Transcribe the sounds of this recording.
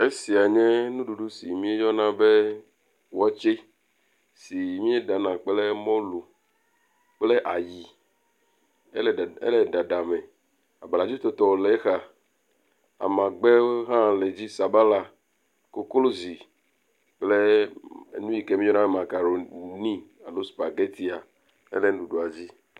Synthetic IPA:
e˦si˨a˨ɲɛ̃˦nũ˦ɖu˨ɖu˦si˨mĩ˦e˦jɔ˦nã˦be˦ | wɔ˦t͡ʃe˦ | si˨mĩ˦e˦da˨nã˨k͡ple˦mɔ̃˦lu˨ | k͡ple˦ʔa˨ji˨˦˨ | ḛ˦le˨da˨ɖa˨me˨ | a˨ba˨la˨d͡ʒi˦t̪o˨t̪ɔ˨o˨le˨˦xa˨ | a̰˨mã˨ɡ͡be˦wo˦ɦã˦˨le˨d͡ʑi˦sa˨ba˦la˨ | ko˦klo˦zi˨ | k͡ple˦e˨˦nũ˦ji˨ke˦mĩ˦ɔ˦nã˦e˦˨mã˨ka˨ɾo˨nĩ˦a˨lo˦spa˨ɡe˦t̪i˦a˨ | ḛ˦le˦n˦du˨ɖo˨a˨d͡ʑi˦

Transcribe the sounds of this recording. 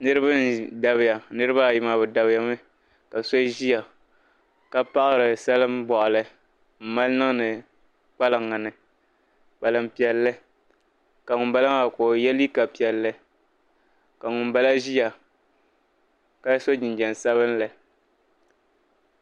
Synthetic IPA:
nɨ˦ɾɨ˦ba˦da˨βɪ˨ja˨nɨ˦ɾɨ˦ba˦˨ji˨ma˨bɨ˨da˨bɪ˦ja˨mɨ˦ | ka˨so˦ʒi˦ja˨ | ka˦pa˦ʔɨ˦ɾɨ˨sa˦lɨ˦mbɔ˨ʔʊ˨lɨ˦ | m̩˨ma˦lnɨ˦ŋ˦nɨ˨ | k͡pa˦lɨ˨ŋːa˨nɨ˨ | k͡pa˨lɨ˨m˦pi˨ɛ˨lːɨ˦ | ka˨ŋʊ˨nba˦la˦a˦˨koː˨jɛ˦li˦ka˨pi˨ɛ˨lːɨ˦ | ka˨ŋʊ˨nba˦la˦ʒi˦ja˨ | ka˦so˦d͡ʒi˨nd͡ʒɛ˨n˨sa˦βɨ˦n˦la˨

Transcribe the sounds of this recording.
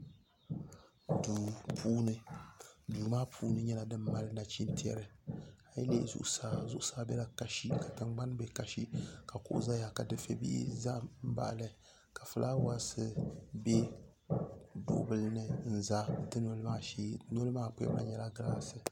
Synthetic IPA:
duː˨pʰuː˦nɨ˦duː˨maː˦pʰuː˦nɨ˦ɲɛ˦la˨dɨ˦mːa˦lɨ˦na˨t͡ʃi˦n˦tʰi˦ɛ̰˦ɾɨ˨a˦jḭ˦lḛ˦zʊ̰˦ʔsa˦˨zʊ˦ʔʊ˦saː˦bɛ˦la˦ka˨ʃi˦ka˨tɨ˨ŋɡ͡ba˦nbɛ˦ka˨ʃi˦ka˨kʊ̰˦˨ʔʊ̰˦za˦ja˨ka˨dɨ˨fḛ˦bḭ˦ʔḭ˦za˦m̩˦ba̰˨ʔlɨ˦ | ka˨fɨ˨lʔa˦wa˦sɨ˦bɛ˦ | dʊ̰˨ʔbɨ˦lnɨ˨n̩˨za˦dɨ˦no˦lmaː˦no˦lɨ˦maː˦˨pʊ˦ɛ̰˦ma̰˦ɲɛ˦la˦ɡɨ˦la˦sɨ˨

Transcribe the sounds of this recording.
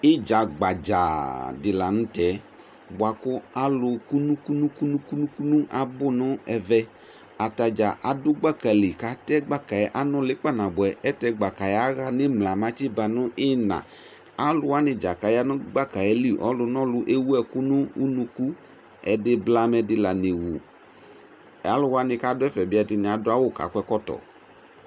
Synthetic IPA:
ɪ˦d͡ʒa˨ɡ͡ba˨d͡ʒa̰˨dɪ˨la˨nʊ̃˦tɛ˨˦ | bʊ˨a˨kʊ˦a˦lʊ˧ku˦nũ˦ku˦nu˦ku˦nu˦ku˦nu˦ku˦nu˦ʔa˨bʊ˦nʊ˦ɛ˧vɛ˧ | a˨ta˨d͡ʒa˨ʔa˨dʊ˦ɡ͡ba˦ka˨li˨ka˨tɛ˦ɡ͡ba˦ka˨ɛ˨˦ʔa˦nʊ˦lɪ˦k͡pa˦˨nã˨bɛ˨ʔɛ˦tɛ˧ɡ͡ba˨ka˨ja˨˦ɣa˧nɪ˦mla˨ma˦t͡ʃɪ˦ba˨nʊ˦ʔɪ˦nã̰˨ | a˨˦lʊ˧˦wa˦nɪ˧d͡ʒa˨ka˨ja˦nʊ˦ɡ͡ba˦˨ka˨ɛ˨˦li˦˨ʔɔ̰˦lʊ˧nɔ̃˦lʊ˧˦ʔe˦wu˦ɛ˧kʊ˦nʊ̃˦u˦nũ˧ku˦ | ɛ˨dɪ˦bla˦mɛ˧dɪ˧la˨ne˨wu˨ | a˨˦lʊ˦wa˦nɪ̃˧ka˦dʊ˦ɛ˦fɛ˨bɪ˦ɛ˨˧dɪ˧nɪ˨a˨dʊ˦a˦wʊ˦˨ka̰˨˦kʷɛ˧˦kɔ˦tɔ̰˨

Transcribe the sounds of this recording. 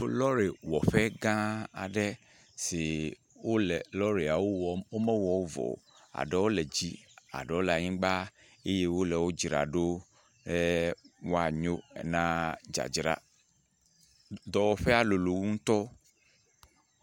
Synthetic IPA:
lɔ˦ɾe˨wɔ˨ɸɛ˦ɡã˦a̰˨ɖɛ˦ | si˨ | wo˦lɛ˨lɔ˦ɾe˨a˨wo˦wwo˦mɛ˦wɔ˨wo˦vɔ̰˨ | a̰˨ɖɛ˦wo˦lɛ˨d͡ʑi˦a̰˨ɖɛ˨wo˦lɛ˨a˨ɲĩ˦ɡ͡ba˦ | e˦je˦wo˦lɛ˨wo˦d͡ʒɾa̰˨ɖo˦ | ɖɛ˦wo˦a˨ɲo˦ɛ̰˨nã˦d͡ʒa̰˨d͡ʒɾa̰˨ | d̪ɔ˨wɔ˨ɸɛ˦a˦˨lo˨lo˨wu˦ŋ̩˦t̪ɔ˦

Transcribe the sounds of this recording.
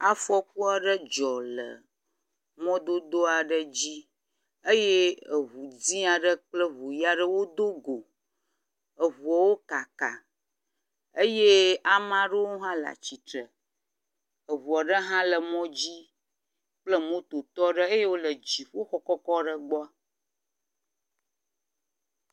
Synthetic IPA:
a˦fɔ˦k̚u˦a˨ɖə˦d͡ʒɔ˨lə̰˨ | mɔ̃˦d̪o˦d̪o˦a˨ɖə˦d͡ʑi˦ | ə˦je˦ə˨βu˨d͡zi˦a˨ɖə˦k͡plə˦βu˨ja˦ɖə˦wo˦d̪o˦ɡo˨ | ə˨βu˨a˨wo˦ka˨ka̰˨ | ə˦je˦a˨mã˦ɖə˦wo˦ɦã˦la̰˨t͡ɕi˨t̪ɾə˨ | ə˨βu˨a˨ɖə˦ɦã˦lə˨mɔ̃˦d͡ʑi˦ | k͡plə˦mõ˦t̪o˨t̪ɔ˦ɖə˦ə˦je˦wo˦lə˨d͡ʑi˨ɸo˦xɔ˦kɔ˦kɔ˦ɖə˦ɡ͡bɔ˦

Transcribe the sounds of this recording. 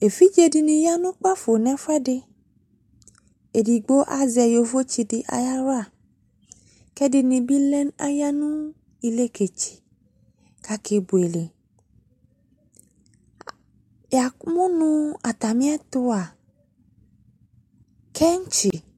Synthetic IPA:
e˨fi˦d͡ʒe˦di˨nĩ˨ja˦nũ˦k͡pa˦fo˨nɛ̃˨fɛ˦de˦ | e˨di˨ɡ͡bo˦ʔa˦zɛ˨jo˨vo˦t͡ʃi˧dɪ˨ʔa̰˨ja˦ɾo˦a˨ | kɛ˦di˨nĩ˨bi˦lɛ˦na˦ja˦nũ˦ | i˨le˦ke˨t͡ʃi̥˨ | ka˨kʰe˨bu˨e˨le˨ | ja˨kmũ˦nũ˦a˨t̪a˨mĩ˦ɛ˦t̪ʊ˦a˨ | kɛ˦ŋ˦t͡ʃi˨

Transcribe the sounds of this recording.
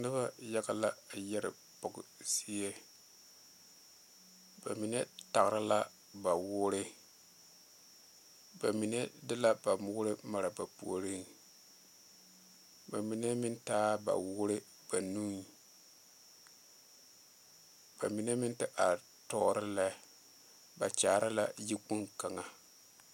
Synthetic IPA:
nɨ˦ba˦ja˦ɡa˨la˦˨jɛ˦ɾɪ̰˨ | pʊ˨ɡʊ˨si˦je˦ | ba̰˨mi˨ne˦ta˨ɣɾɪ˦la˦ | ba˨wʊː˦ɾɪ˦ | ba˨mi˨ne˦dɪ˦la˦ba˨mʊ˦ɾɨ˦ma˨ɾa˨ba˨pṵ˨o˨ɾi˦n | ba˨mi˨ne˦mɪ˦ntaː˦ba̰˨wʊ˦ɾɪ˦ | b̥a˨nu˦n˨ | b̥a˨mi˨ne˦mɪ˦ntɪ˦ʔa˨ | tɔ˦˨ɾɪ˦lɛ˦ | ba˨t͡ʃaː˨ɾa˦la˦ji˦ku˦nka˨ŋa˨

